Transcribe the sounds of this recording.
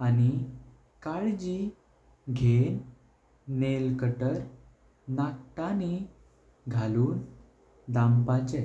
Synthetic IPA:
ani | kaɭd͡ʑiː | ɡʱen | nelkəʈəɾ | nak̚ʈani | ɡʱaluːn | d̪ampat͡ɕe

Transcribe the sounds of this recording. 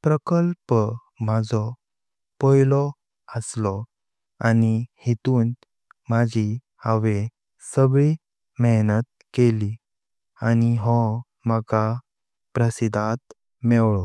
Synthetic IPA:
pɾəkəlp | mad͡zʱɔ | pɔjlɔ | əslɔ | anihit̪uːn | mad͡ʑʱi | aʋe | səɡɭi | məɦnət̪̚ | keli | aniɦɔ̃ | maka | pɾəsid̪ʱat̪ | mɛwɭɔ

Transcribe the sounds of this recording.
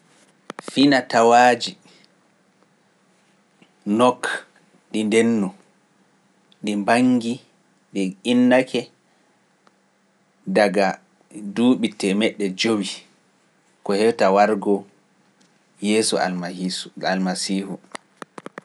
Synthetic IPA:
finatawaːd͡ʒi | nɔk | ɗindenːu | ɗimbaŋɡi | ɗɛʔinːakʰɛ | daɡa | duːɓitɛmɛɗːɛd͡ʒowi | kɔhɛwtawaɾɡɔ | jeːsua | almasiːhu

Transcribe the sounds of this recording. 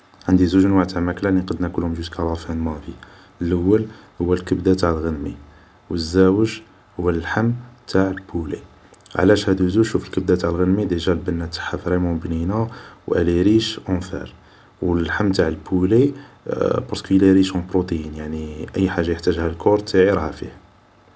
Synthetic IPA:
ʕand̪izuʒənwaʕt̪aʕmæklælinqəd̪nækʊlhʊmʒuskæɾˤɑfænmæfi | əlʔæwːəlhʊwːælkəbd̪at̪aʕəlɣənmi | wəzːæwəʒ | hʊwːælħamːt̪aʕəlbulḭ | ʕlæʃhæd̪uzuʃufəlkəb̚d̪at̪aʕəlɣənmid̪əʒælbənːæt̪ːə̥ħːafɾimubninæwʔæ̰læjɾiʃʔʊnfæ̰ɾˤ | wəlħamːt̪aʕəlbuli | bɑɾskujlæjɾiʃhʊ̃pɾot̪ˤeinjaʕniʔəjːħaʒːajəħt̪æʒhælkoɾˤt̪əʕiɾhæfḭh

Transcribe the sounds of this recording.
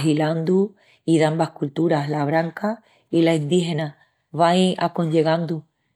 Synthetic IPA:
ɦiland̪u | iðambahkult̪uɾalaβɾaŋka | ilaind̪iɦe̞na | βaja̰kõ̞ɲʝe̞ɣand̪u

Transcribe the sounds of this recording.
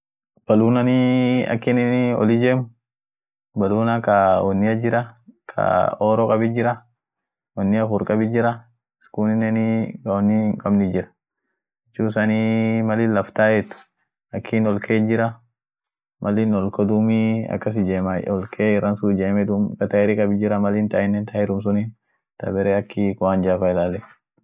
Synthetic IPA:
b̥ɐluːnɐniɐ̰kːɪnɪnɔ̰lɪd͡ʒeːmʊ | bɐluːnɐkɐwɔnːɪɐd͡ʒɪɾɐkʰɐ̰oːɾɔkʼɐbɪd͡ʒɪɾɐ | wɔnːɪɐfuːɾkʼɐbɪd͡ʒɪɾɐ | ɪskuːnɪnːɛnɪkɐwɔnːɪkʼɐbnɪd͡ʒɪɾɐ̥ | ɪt͡ʃːuːs̬ɐnimɐlinlɐft̪aːjɛt̪ːʊ̥ | ɐkʰːiːnɔlkʰeːd͡ʒɪɾɐ | mʔɐlinɔlkɔd̪umiɐ̰kːɐs̬ɪd͡ʒeːma̰ɔlkʰeːɪrːɐnsuːd͡ʒeːmɛd̪umkɐt̪ɐhɛɾɪkʼɐbɪd͡ʒɪɾɐmɐliːnt̪ɐːɪnːɛnt̪ɐhɛɾʊms̬ʊniːn | t̪ɐ̰bɛɾeːɐkʰːɪkʊwaːnd͡ʒaːfɐɪlaːlɛ

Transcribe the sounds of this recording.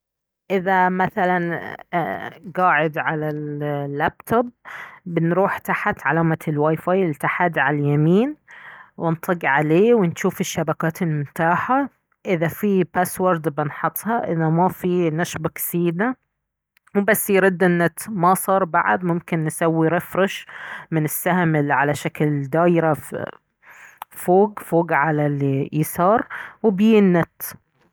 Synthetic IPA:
ʔɪðamaθalan | ɡaːʕɪd̪ʕalallːaːbt̪ʰʊb̚ːɪnɾuːħt̪aħat̪ʕalaːmalwajfaːjlɪt̪aħad̪ʕaljamiːnwɪnt̪ˤɨɡʕaleːwɪnʃuːfɪʃːabakaːt̪ɪlmʊmt̪aːħa | ʔɪðafipaːswɑɾˤd̪bɪnħɑt̪ˤhɑʔɪ̰ðamafinaʃbaksiːd̪a | wbasːjɾʊd̪ːʔɪnːɪt̪masˤɑːɾˤbaʕa̰d̪mʊmkɪnːɪsawːiɾɑfɾɑʃmɪnɪsːahamʔɪlːiʕalaʃakld̪aːjɪɾaf | foːɡfoːɡʕalalʔisɑːɾˤwɪbjɪnːɪt̪

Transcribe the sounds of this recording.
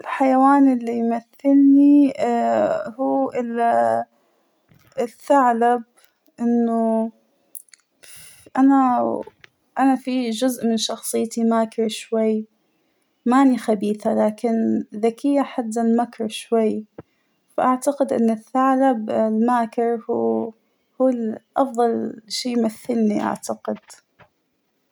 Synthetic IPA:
ʔɪlħajawaːnɪlːijmaθːɪlni | huːɪl | θːaʕlab̚ | ʔɪnːʊ | ʔana | ʔanafid͡ʒʊzʔmɪnʃɑxsˤɨjːt̪imaːkɪɾʃwajː | maʔnixabiːθalaːkɪnðakɪjːaħad̪ːalmakɾʃwajː | faʔaʕt̪aqɪd̪ʔɪnːɪθːaʕlabɪlmaːkɪɾhuː | huːlʔɑfðˤɑlʃiːmaθːɪlniʔa̰ʕt̪aqɪd̪̥

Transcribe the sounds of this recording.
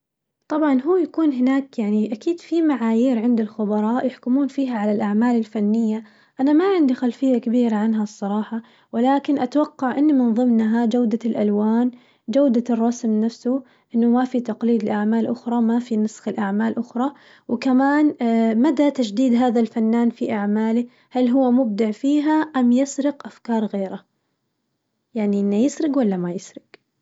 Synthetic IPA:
t̪ˤɑbʕɑnɦuːjakuːnɦɪnaːkjaʕniʔakiːd̪fimaʕaːjiːɾʕɪnd̪ɪlxʊbɑɾˤɑːʔjɪħkʊmuːnfiːɦaʕalalʔaʕmaːlɪlfanːɪjːa | ʔanamaʕɪnd̪ixalfɪjːakabiːɾaʕanɦasˤːɑɾˤɑːħɑ | wɪlaːkɪnʔat̪wɑqːɑʕʔɪnːmɪnðˤɨmnɦad͡ʒawd̪alʔalwaːn | d͡ʒawd̪arˤːɑsmnafsʊ | ʔɪnːʊmafit̪ɑqliːd̪ɪlʔaʕmaːlʔʊxɾˤɑmafinɨsˤxɪlʔaʕmaːlʔʊxɾˤɑ | wɪkamaːnmad̪at̪ad͡ʒd̪iːd̪ɦaːðalfanːaːnfiʔaʕmaːli | halɦʊwːamʊb̚d̪ɪʕfiːɦaʔamjɪsɾɪqʔafkɑːɾˤɣeːɾa | jaʕniʔɪnːajɪsɾɪɡwalːamajɪsɾɪɡ

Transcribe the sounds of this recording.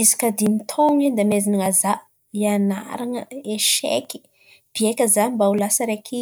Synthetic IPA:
izi̥kad̪imit̪ʰoŋind̪ameziniŋaza | iana̰ɾaŋəeʃḛki̥ | b̥iekʲəzambaulasəɾekʰi

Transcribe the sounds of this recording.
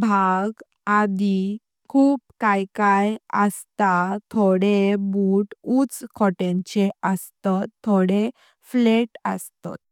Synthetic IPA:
bʱaɡ | ad̪i | kʰuːp̚kajkajəst̪at̪ʰoɽebuːʈut͡skʰɔʈẽɲt͡ɕeəst̪at̪ʰːoɽe | fleʈə̰st̪a̰t̪̚

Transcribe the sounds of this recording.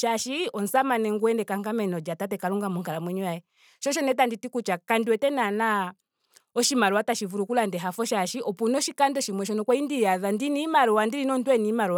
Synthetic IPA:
ʃaʃiɔn̩samanɛŋɡuɛndɛkaŋkamɛnɔd͡ʒatatɛkaluŋɡamuŋkalamwɛɲɔaɛ | ʃɔʃ̬ɔnɛt̬anditikut͡ʃakandiwɛtɛnana | ɔʃimaɾɔwataʃivuɾukulandɛɦafɔʃaʃiʔɔpunɔʃikandɔʃimwɛʃɔnɔkwaindijaðandinimaɾɔwandilinɔntwɛnimaɾua

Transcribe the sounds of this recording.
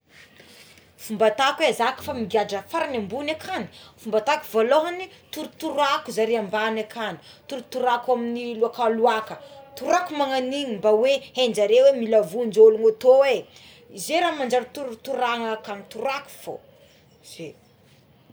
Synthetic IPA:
fumbat̪akweazaki̥famiɡiaɖ͡ʐəfaɾanambunakʰani̥fumbat̪akuvoloɦanit̪uɾut̪uɾakuzaɾeambanakʰani̥t̪uɾut̪uɾakaminiluakaluakət̪uɾakumaŋaniŋimbawehend͡ʒaɾewemilavund͡ʒoluŋot̪owe | izeɾamand͡ʒaɾut̪uɾut̪uɾaŋakanit̪uɾaku̥fo̰ | z̥e

